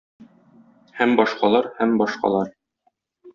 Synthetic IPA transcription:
hæmbɒʃqɑlˠɑɾhæmbɒʃqɑ̰lˠɑɾ

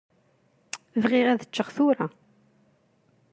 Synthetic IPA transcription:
vʁɪʁæðət͡ʃːəʁθʊɾa

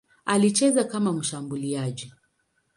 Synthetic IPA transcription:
alit͡ʃɛzakamam̩ʃambuliaʄi

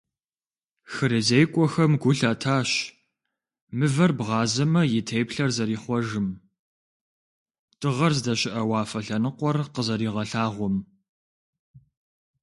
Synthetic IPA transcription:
xɨɾɨzejkʷʼɔxɐmɡʷʊɬɐtʰaːɕ | mɨvɐrbʁɑːzɐmɐjɪtʰejpɬɐrzɐɾiːχʷɔʒɨm | tʰɨʁɐrzdɐɕɪʔɐwɑːfɐɬɐnɨqʷɔrqəzɐɾiːʁɐɬaːʁʷɔm

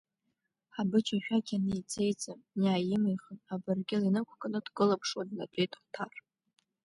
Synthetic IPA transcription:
ħabɨt͡ʃʰaʃᶣaɡʲanɨit͡sʰʼe̞jt͡sʼamnaːjɪmijχənabɨrɡʲɪlinɨkʷʰkʼanɨdɡɨlapʰʂwadnad͡ʒʷʼejtʰʼχʷtʰar

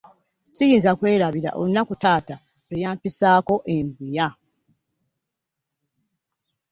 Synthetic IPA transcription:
sijiːnzakwe̞ːɾaβiɾa̰ʔo̞̰lunːakutaːta | ejaːmpisaːko̞ʔeɱbuja

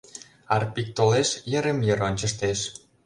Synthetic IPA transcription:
ɑrpik̚t̪oleʃjə̆ɾemjəɾonʲt͡ɕə̆ʃt̪eʃ

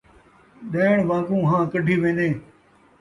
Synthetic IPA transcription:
ɗəːɪɳ̃ʋãːkũːɦãːkəɖʱiːʋẽːnd̪eː

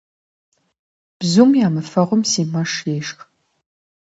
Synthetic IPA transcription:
b̥zumjaːmɨfɐʁəmsiːmɐʂjeːʂx

